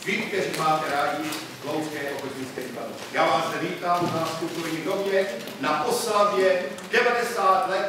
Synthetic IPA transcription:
vɪk̚t̪ɛɾiːmaːt̪ɛɾaːɟɪ | ɡlowzkɛːʔoxozɲiːskɛviːbado̰jaːʋaːsd̪ɛviːt̪aːmnaspuk̪ojɲiːdobɲɛ | naʔoslavjɛ | d̥ɛvadɛsaːt̪lɛt̪

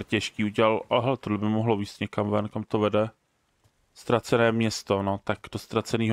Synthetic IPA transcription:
ɾcɛʃkiːuɟɛlalʔaɦɛlɛt̪odlɛbɪmoɦloviːst̪ɲɛkamvɛnkamt̪ovɛdɛ | st̪ɾat͡sɛnɛːmɲɛst̪onot̪akd̥ost̪ɾat͡sɛniːɦ

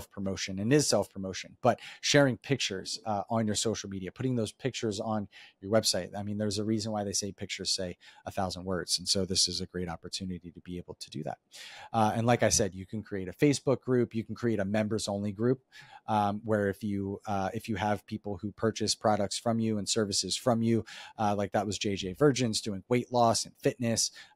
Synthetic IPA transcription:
fpʰɹ̥əmoʊʃɨ̃nɨ̃nɨz̥sɛlˠfpʰɹ̥əmoʊʃɨ̃nb̥ʌt̚ʃɛɹɪ̃ŋpʰɪk̚t͡ʃə˞z̥ə̃njə˞soʊʃl̩ˠmiɾiɨpʰʊɾɪ̃ŋðoʊz̥pʰɪk̚t͡ʃə˞zn̩jə˞wɛb̥saɪt̚aɪmĩnðə˞zəɹizə̃nwaɪðeɪseɪpʰɪk̚t͡ʃə˞z̥seɪəθaʊzə̃nd̚wɜ˞dz̥̃n̩soʊðɪsɨzɨɡɹeɪɾɑpə˞tʰʉnɨɾiɾɨbieɪbl̩ˠtʰɨdɨ̰ðæ̰t̚ʔɨ̃nlaɪkaɪsɛdjɨkʰn̩kʰɹ̥ieɪɾɨfeɪsb̥ʊk̚ɡ̥ɹʉpjɨkʰn̩kʰɹ̥ieɪɾɨmɛ̃mbə˞zõʊ̃nliɡɹʉp̚ | wə˞ɨfjɨɪfjɨəv̥pʰipl̩ˠhupʰɜ˞t͡ʃɨspʰɹ̥ɑɾək̚tsfɹʌ̃mjʉə̃nsɜ˞vɨsɨz̥fɹʌ̃mjʉlaɪk̚ðət̚wʌzd͡ʒeɪd͡ʒeɪvɜ˞d͡ʒɨ̃nzdʉɪ̃ŋweɪʔˡlɔsɨ̃n̩fɪtⁿnɨs

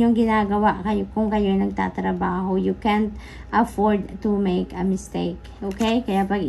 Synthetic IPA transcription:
oŋɡɪnaːɡɐwaʔkɐjokʊŋkɐjoɐjnɐɡ̚t̪a̰t̪ɾɐbaːɦojukɛnt̪ | ʔɐfoɹd̪t̪umejkɐmɪst̪ejk | ʔokɛjkɐjaʔpɐɡ

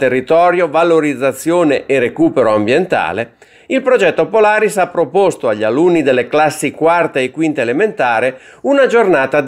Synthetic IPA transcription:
t̪erːit̪ɔːɾjovaloɾid̪zːat̪sːjoːneʔerekuːpeɾoambjent̪a̰ːle | ilpɾod͡ʒɛt̪ːopolaːɾisapːɾopost̪oaʎːalunːid̪elːeklasːikwart̪eːkːwint̪aelement̪aːɾeunad͡ʒornaːt̪a

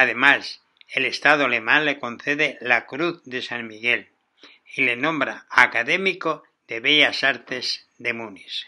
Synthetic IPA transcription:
aðe̞mas | ele̞st̪að̞oale̞mãnle̞kõ̞nθeðelakɾuθðe̞saŋmiɣe̞l | ile̞nõ̞mbɾaakaðe̞miko | ðe̞βeʎasaɾt̪e̞z | ðe̞munis

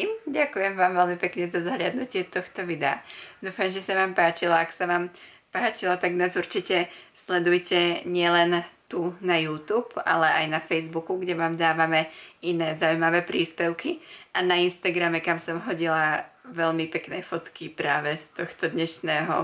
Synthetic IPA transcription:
mɟakujɛmʋaːmʋɛlmipɛkɲɛzazaɦlʎɪad̪nucɪɛt̪ɔxt̪ɔʋid̪ɛa̰d̪uːfamʒɛsaʋaːmpaːt͡ʃilaaksaʋaːm | paːt͡ʃilat̪aɡnaːzuɾt͡ʃicɛslɛd̪ujcɛɲɪɛlɛnt̪unajuːt̪uːpa̰lɛʔajnafɛjzbukuɡɟɛʋaːmd̪aːʋamɛinɛːzaujmaʋɛːpɾiːspɛʊkiʔanainst̪aɡɾamɛkamsɔmɦɔɟilaʋɛʎmipɛknɛːfɔt̪kipɾaːʋɛst̪ɔxt̪ɔd̪ɲɛʃnɛːɦɔ̰

